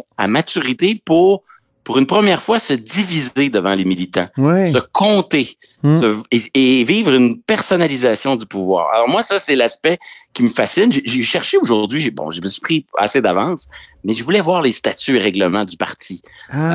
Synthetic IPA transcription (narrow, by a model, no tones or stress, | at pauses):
a̰matt͡syʁit̪epuʁ | puʁynpχəmjɛʁfwasəd̪ivized̪əvɑ̃lemilit̪ã̰wɛsəkɔ̃t̪e | səeviːvʁynpɛʁsɔnalizasjɔ̃d̪ypuvwa̰ːʁa̰lɔʁmwasasɛlaspɛkʲiməfasɪnʒeʒeʃɛʁʃeoʒuʁd̪zɥiʒebɔ̰̃ʒeməsy̥pχia̰sed̪avɑ̃smɛʒəvulɛvwaːʁlest̪at̪yeʁɛɡləmɑ̃d̪ypaʁ̥t̪i